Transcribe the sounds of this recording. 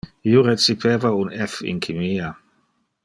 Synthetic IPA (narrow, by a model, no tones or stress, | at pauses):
ioɾet͡sipʰeːvaunɛfḭnkʰimiːa